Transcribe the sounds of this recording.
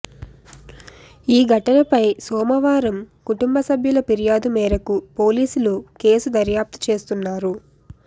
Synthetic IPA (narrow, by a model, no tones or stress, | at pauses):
iːɡʱɐʈɐnɐpɐjsɔːmɐʋaːɾɐmkuʈumbɐsɐbʱjulɐpiɾijaːd̪umɛːɾɐkupo̞ːliːsuluke̞ːsud̪ɐɾjaːp̚t̪i̥t͡ʃe̞ːst̪unːaːɾu